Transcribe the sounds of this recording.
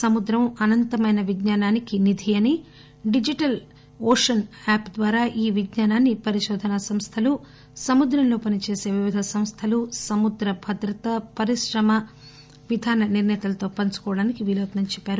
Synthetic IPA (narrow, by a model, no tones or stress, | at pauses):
sɐmud̪ɾɐmɐnɐnt̪ɐmɐjnɐʋidɲaːnaːnikinid̪ʱijɐni | ɖid͡ʒiʈɐl | oːʂɐnaːpd̪ʋaːɾaːʔiːʋiɡɲaːnaːnːipɐɾiʃɔːd̪ʱɐnɐsɐmst̪ʰɐlu | sɐmud̪ɾɐmlo̞ːpɐnit͡ʃe̞ːse̞ːʋiʋid̪ʱɐsɐmst̪ʰɐlusɐmud̪ɾɐbʱɐd̪ɾɐt̪ɐpɐɾiʃɾɐmɐ | ʋid̪ʱaːnɐniɾnɐjɐt̪ɐlɐt̪o̞ːpɐnt͡ʃu̥kɔːɽaːnikiʋiːloːt̪nɐɲt͡ʃɛpːaːɾu